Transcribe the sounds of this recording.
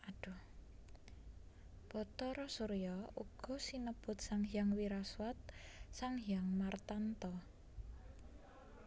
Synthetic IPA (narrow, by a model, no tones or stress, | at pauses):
aɖ̥ṳ | b̥ɔt̪ɔɾɔsuɾjɔuɡ̥ɔ̤sinəb̥ʊ̤t̪̚saŋɦjaŋwiɾaswat̪̚saŋɦijaŋmart̪ant̪ɔ